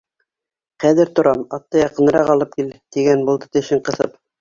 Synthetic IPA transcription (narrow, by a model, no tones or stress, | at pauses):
χæðɘɾt̪ŏɾɑmɑt̪ːɤjɑqɤ̆nɤ̆ɾɑqɑlˠɤp̚kilt̪iɡænbulˠd̪ɤt̪ɘ̆ʃɘɴqɤ̆θɤp̚